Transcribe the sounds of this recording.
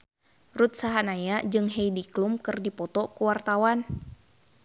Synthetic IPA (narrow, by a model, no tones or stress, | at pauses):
rut̪̚saɦanajad͡ʒɨŋɦɛjdiklumkɨrdipɔt̪ɔkuwart̪awan